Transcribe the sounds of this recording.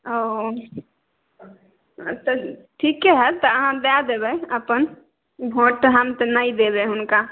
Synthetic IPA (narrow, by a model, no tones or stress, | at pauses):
o | t̪ɔʈʰikːeɦɛt̪ɔəɦãd̪ad̪ebɛəpən | ɡʱõʈɦəmt̪nəid̪ebeɦʊnka